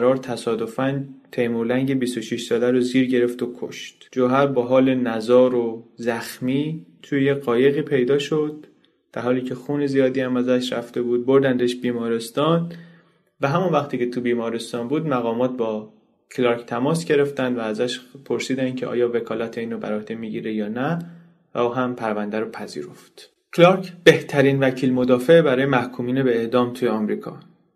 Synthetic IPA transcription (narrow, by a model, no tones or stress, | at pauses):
ɾɒːɾt̪ʰæsɒːd̪o̞fænt̪ʰejmolæŋɟebisoʃiʃsɒːlæɾoziːɾɟe̞ɾe̞ft̪okʰo̰ʃt̪d͡ʒoɦæɾbɒːɦɒːle̞næzɒːɾozæxmiːt̪ʰujejeɣɒːje̞ɣiːpʰe̞jd̪ɒːʃo̞d̪̚ | d̪̥æɾhɒːliːcʰe̞xuːnezijɒːd̪iːhæmæzæʃɾæft̪e̞buːd̪̚bo̞ɾd̪ænd̪eʃbiːmɒːɾe̞st̪ɒːn | væɦæmunvæxt̪ʰiːcʰe̞t̪ʰubiːmɒːɾe̞st̪ɒːnbuːd̪mæɣɒːmɒːt̪̚bɒː | kʰlɑɾkʰt̪ʰæmɒːsɟe̞ɾe̞ft̪ænd̪væːzæʃpʰo̞ɾsiːd̪æncʲʰeʔɒ̰ːjɒːve̞kʰɒːlæt̪ʰeiːnɾobæ̰ɾɒhd̪emiːɟiːɾejɒːnæ | væ̰uːɦæmpʰæɾvænd̪æɾopʰæzḭːɾo̞ft̪ | kʰlɑɾcʰb̥e̞ht̪ʰæɾiːnvæcʰiːlmo̞d̪ɒːfe̞bæɾɒːjemæhkʰuːmiːnebeːʔd̪ɒːmt̪ʰujeɒmɾiːkʰɒ̰ː